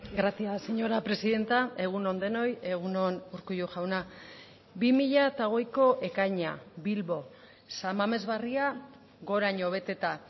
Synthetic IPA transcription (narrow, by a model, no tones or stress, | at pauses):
ɡɾasiaseɲo̞ɾapɾe̞siðe̞nt̪ae̞ɣ̞uno̞nd̪e̞no̞je̞ɣ̞uno̞nuɾkujuʝawna | bimiʎat̪aɣ̞o̞jko̞ʔe̞kajɲa̰βilβo̞ | samame̞zβaria | ɣo̞ɾaɲo̞β̞e̞t̪e̞t̪a